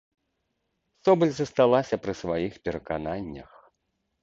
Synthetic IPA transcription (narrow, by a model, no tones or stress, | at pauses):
sɔbɨlʲzɐst̪alˠasʲɐpɾɨsvajixpʲɛɾɐkananʲːɐ̰x